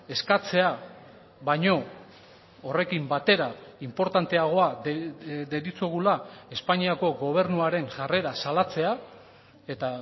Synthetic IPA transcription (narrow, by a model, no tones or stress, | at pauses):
e̞skat͡se̞a | βajɲo̞ | ore̞kimbat̪e̞ɾaimpo̞ɾt̪ant̪e̞aɣ̞o̞a | d̪e̞ɾit͡sueɣ̞ulae̞spaɲiako̞ɣo̞β̞e̞ɾnuaɾe̞ŋʝare̞ɾasalat͡se̞a | e̞t̪a